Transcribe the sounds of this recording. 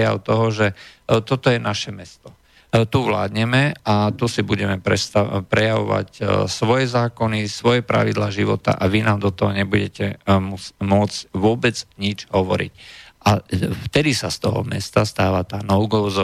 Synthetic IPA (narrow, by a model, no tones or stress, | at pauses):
ja̰ʊt̪ɔɦɔʒɛt̪ɔt̪ɔjɛnaʃɛmɛst̪ɔ | t̪uʋlaːd̪ɲɛmɛat̪usibuɟɛmɛpɾɛst̪apɾɛjaʋɔ̰ʋa̰csʋɔjɛzaːkɔnisʋɔjɛpɾa̰ʋid̪laːʒiʋɔt̪a̰ʔaʋinaːmd̪ɔt̪ɔɦɔɲɛbuɟɛcɛmud͡zmʊɔd͡zcʋʊɔbɛd͡zɲid͡ʒɦɔʋɔ̰ɾḭcʔaft̪ɛd̪isast̪ɔɦɔ̰mɛ̰st̪ast̪aːʋat̪aːnɔʊɡɔʊz